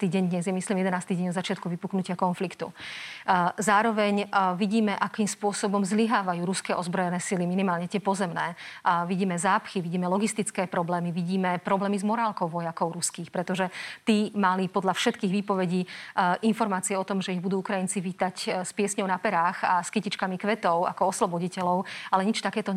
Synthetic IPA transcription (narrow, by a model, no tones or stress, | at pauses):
t̪iːɟɛɲd̪ɲɛzjɛmislimjɛd̪ɛnaːst̪iːɟɛɲɔdzat͡ʃɪat̪kuʋipuknucɪakɔnflikt̪ṵ | zaːɾɔʋɛɲʋiɟiːmɛʔakiːmspʊɔsɔbɔmzliɦaːʋajuːɾuskɛːʔɔzbɾɔjɛnɛːsiliminimaːlɲɛt̪ɪɛpɔzɛmnɛːʋiɟiːmɛzaːpxiʋiɟiːmɛlɔɡist̪it͡skɛːpɾɔblɛːmiʋiɟiːmɛpɾɔblɛːmizmɔɾaːlkɔʊʋɔjakɔʊɾuskiːxpɾɛt̪ɔʒɛt̪iːmalipɔd̪ʎafʃɛt̪kiːɣʋiːpɔʋɛɟiːʔinfɔɾmaːt͡siɪɛɔt̪ɔmʒɛiɣbud̪uːukɾajint͡siʋiːt̪acspɪɛsɲɔʊnapɛɾaːxaskicit͡ʃkamikʋɛt̪ɔʊa̰kɔɔslɔbɔɟicɛlɔʊalɛɲit͡ʃt̪akɛːt̪ɔ